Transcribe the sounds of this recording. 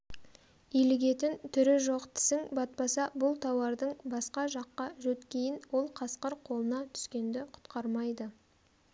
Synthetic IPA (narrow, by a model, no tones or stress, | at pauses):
ilɪɡʲe̞t̪ɪnt̪ʰʏɾɪʒo̞qt̪ʰɪ̥sɪŋbɑt̪̚pɑsɑbʊlˠt̪ʰɑwɑɾd̪əɴbɑsqɑʒɑqːɑʒɵt̪kʲʰe̞jɪnwo̞lˠqʰɑsqəɾqʰo̞lˠənɑt̪ʰʏ̥skʲe̞nd̪ɪqʰʊ̥t̪qɑɾmɑjd̪ə